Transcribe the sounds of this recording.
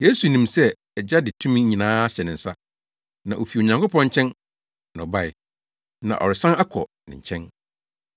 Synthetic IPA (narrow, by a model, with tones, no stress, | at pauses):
je˦su˨nĩ˨msɛ˦ | ɛ˨d͡ʑa˦dɪ˨tʰũ˦mĩ˦ɲĩ˨nãː˦ɕɛ˨nɪ̃˨n̩˨sa˦ | nã˨ʔo˨fi˨o˨ɲã˨ŋkʰʊ˦pɔ̃˦ɲ̩˦t͡ɕʰɛ̃˦n | nɔ̃˨ba˦˨ɪ˨ | nã̰˨ʔɔ̰˨ɾɪ˨sã˦na˦kʰɔ̰˨nɪ̰̃˨ɲ̩˨t͡ɕʰɛ̃˦n